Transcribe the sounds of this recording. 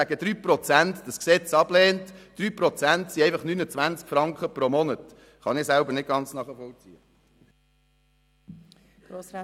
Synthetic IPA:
æɡ̥əd̪̥ɾyːpɾɔt͡sæntd̥ɑsksɛt͡sɑb̥leːntd̥ɾyːpɾɔt͡sæntsiɛɪfɑχnynət͡sʋænt͡skfɾɑŋkχəpɾomɔnət | χɑnɪsælbəɾnɪt̚ɡ̥ɑnt͡snɑːχəfɔlt͡sḭə | ɡ̥o

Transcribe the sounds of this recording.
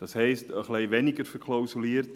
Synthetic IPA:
d̥ɑshɛjstəχlɛjʋɛnɪɡərfərkʰlowsuliərt

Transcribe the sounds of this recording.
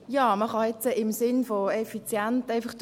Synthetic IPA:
jaːməχɑjɛt͡səʔɪmsɪnfoɛfit͡sjɛntaɪfɑχt

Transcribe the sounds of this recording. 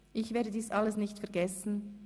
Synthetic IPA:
ʔɪçv̥eːɐdədiːsʔaləsnɪçtfɛɐɡɛsn̩

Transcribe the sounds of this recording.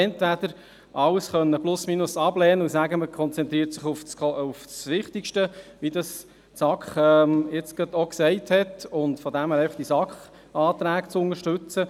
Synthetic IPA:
ɛntʋæd̥̪əɾ | ʔɑwsχœnːəplʊsminʊsɑblɛːnəusæɡəməkʰχɔnt͡sɛnt̪ɾiːɾtsɪχʊft͡sʊfsʋɪχtɪkʃtəʋidɑs | sɑkχɛmjɪt͡sɡ̥ɑt̪oksɛɪthɛtʊntfɔdæmhæɾɛfd̥isɑkχ | ɑːt̪ɾæːkt͡sʊnəɾʃtʉt͡sə

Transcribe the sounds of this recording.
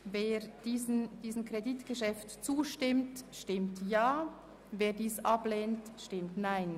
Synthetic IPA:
veːd̥iːznd̥iːsn̩kʁeditɡ̥əʃɛftt͡suːʃtɪmtʃtɪmtjaː | veːɐdiːsʔableːntʃtɪmtnaɪn

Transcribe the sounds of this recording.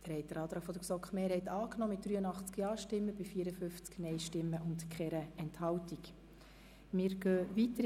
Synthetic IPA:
d̪̥əɾɛɪjtdəɾɑːd̪ɾɑːfɔd̪əɾsɔkχmeːɾhɛɪt̪ɑːknɔːmɪt̚d̥̪ɾyːənɑχt͡skjɑːʃtɪmːəbɪfiːəɾəfʏft͡sknɛɪʃtɪmːəʔʊntkχɛɾəɛnthɑwtik | mɪːɾɡœːʋitə

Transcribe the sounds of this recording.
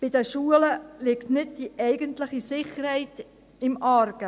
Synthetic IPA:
b̥ɪdəʃuːələlɪktnɪdd̥iʔɛɪɡəntləχisɪχəɾhɛɪt | ɪmʔɑɾɡ̥ə

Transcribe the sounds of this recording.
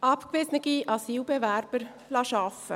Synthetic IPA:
ɑpkʋɪsnəɡiʔɑsiːlbɛvæɾb̥əɾ | lɑʃɑfə̰

